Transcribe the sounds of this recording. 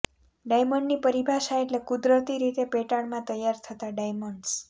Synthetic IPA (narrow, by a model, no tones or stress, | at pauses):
ɖajməɳɖnipəɾibʱaʃaeʈlekud̪ɾət̪iɾit̪epeʈaɽmãt̪əjːaɾt̪ʰət̪aɖajməɳɖs